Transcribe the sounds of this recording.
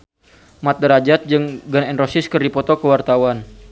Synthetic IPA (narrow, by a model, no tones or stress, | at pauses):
mat̪̚dəɾad͡ʒat̪̚d͡ʒɨŋɡənɛnrosɪskərdipɔt̪ɔkəwart̪awan